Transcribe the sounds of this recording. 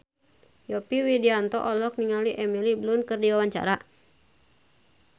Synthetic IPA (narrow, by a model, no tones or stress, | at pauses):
jɔpiwidiant̪ɔ̰ʔɔlɔk̚niŋaliʔɛmiliblunkərdiwawaɲt͡ʃa̰ɾa